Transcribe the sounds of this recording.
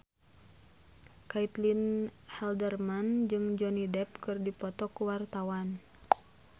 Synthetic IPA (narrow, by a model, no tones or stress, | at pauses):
kait̪linhɛldərmand͡ʒɨŋd͡ʒɔnidɛp̚kɨrdipɔt̪ɔkuwart̪awan